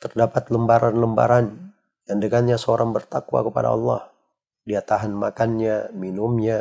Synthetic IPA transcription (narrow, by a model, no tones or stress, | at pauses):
t̪ərdapat̪ləmbaɾanləmba̰ɾan | jandəŋanɲasəoɾaŋbərt̪akuwa̰kəpa̰da̰ɑ̰lːɑh | diat̪aɦanmakanɲaminʊmɲa